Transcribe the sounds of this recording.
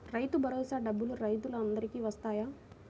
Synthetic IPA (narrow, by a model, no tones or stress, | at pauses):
ɾɐjt̪ubʱɐɾoːsaːɖɐbːuluɾɐjt̪uluɐnd̪ɐɾikiːʋɐst̪aːjaː